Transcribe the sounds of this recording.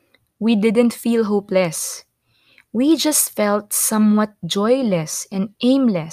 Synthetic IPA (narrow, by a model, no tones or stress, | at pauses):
wid̪ɪd̪ɨ̃nt̪filˠɦoʊplɛs | wid͡ʒʌstfɛlˠt̪sʌ̃mwʌt̪̚d͡ʒɔjlɛsɛ̃nd̪ʔẽɪ̃mlɛs